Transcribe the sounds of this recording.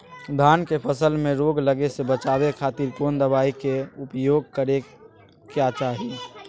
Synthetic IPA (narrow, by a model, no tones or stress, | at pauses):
d̪ʱaːnkepʰəsəlmẽɾoːɡləɡesebət͡ʃaːbekʰaːt̪iɾkoːnd̪əbaːikeʊpjoːɡ̚kəɾe | kjat͡ʃaːɦi